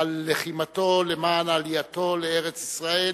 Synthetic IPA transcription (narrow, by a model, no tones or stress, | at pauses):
alːeχimat̪o̞lemaːnalijat̪o̞leeʁet͡sisʁae